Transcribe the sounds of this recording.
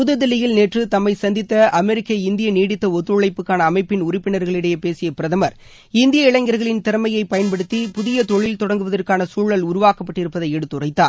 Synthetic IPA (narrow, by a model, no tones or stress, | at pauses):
pʊðɐðɪlɐjɪlneːʈrɯt̪ɐmːɐɪsɐnd̪ɪt̪ːɐʔɐmɛɾɪkːɐɪnd̪ɪjɐniːɽɪt̪ːɐɔt̪ːɯɭɐɪpːɯkːaːnɐːmɐɪpːɪnʊɾɪpːɪnɐɾɣɐɭɪɽɐjepeːsɪjɐpɪɾɐðɐmɐɾ | ɪnd̪ɪjɐɪɭɐŋɡɐɾɣɐɭɪnt̪ɪɾɐmɐjɐɪpɐjɐnpɐɽɯt̪ːipʊðɪjɐt̪ɔɭːɪlt̪ɔɽɐŋɡɯʋɐðɐrkaːnɐsuːɭɐlʊɾʊʋaːkɐpːɐʈːɪɾɯpːɐðɐɪɛɽɯt̪ːʊrɐɪt̪ːaː